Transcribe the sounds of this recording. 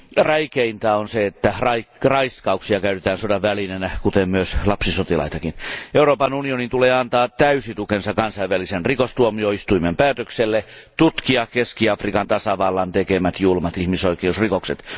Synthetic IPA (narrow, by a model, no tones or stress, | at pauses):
ræikeint̪ɑonseet̪ːærɑirɑiskɑuksiɑkæyt̪et̪æːnsodɑʋʋælinenækut̪emmyøslɑpsisot̪ilɑ̰it̪ɑkineuroːpɑnunionint̪uleːɑnt̪ɑːt̪æysit̪ukensɑkɑnsɑijʋʋælisenrikost̪uomioist̪uimempæːt̪økselːe | t̪ut̪kiɑkeskiɑfrikɑnt̪ɑsɑʋɑlːɑnt̪ekemæt̪julmɑt̪ihmisoikeusrikokset̪